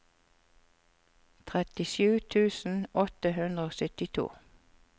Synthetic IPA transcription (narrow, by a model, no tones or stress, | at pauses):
t̪ʰʁɛt̪ɪʃʉːt̪ʰʉːsn̩ɔt̪əhʉnd̪ʁəoːsœt̪ɪt̪ʰṵː